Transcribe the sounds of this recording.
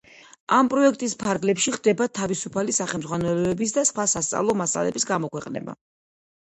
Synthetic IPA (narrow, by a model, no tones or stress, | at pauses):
ampʼɾɔɛk̚ʰt̪ʼispʰaɾɡlɛpʃiχd̪ɛbat̪ʰavisupʰalisaχɛlmd̪zʁwanɛlɔɛbis̬d̪asχwasast̪sʼa̰vlˠɔmasa̰lɛ̰bisɡamɔkwɛqʼnɛ̰ba̰